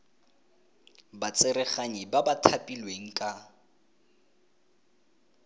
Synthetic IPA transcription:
bat͡sʼɪɾɛχaɲibabatʰapʼilweŋ̩kʼa

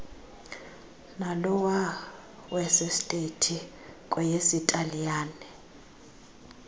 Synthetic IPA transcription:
nalɔwa | wɛsɛstʼetʰi | kʼɔjesitʼalijaːnɛ

